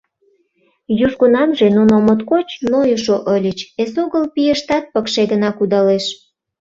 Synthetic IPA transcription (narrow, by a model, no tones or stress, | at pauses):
juʃɣunɑmʒenunomot̪kot͡ɕnojəʃoʔəlʲət͡ɕesoɣəlpijəʃt̪ɑt̪̚pəkʃeɣənɑkud̪ɑleʃ